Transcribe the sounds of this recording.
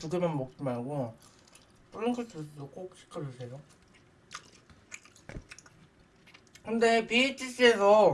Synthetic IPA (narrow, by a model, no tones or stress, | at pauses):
tuɡemjʌnmʌk̚t͡ɕ͈imaɭɡo | p͈uɾɯnkʰɯtʰɯdok͈ok̚ɕʰi̥kʰːɯɾosʰejo | kɯnde̞piet͡ɕ͈ʰis͈esʰʌ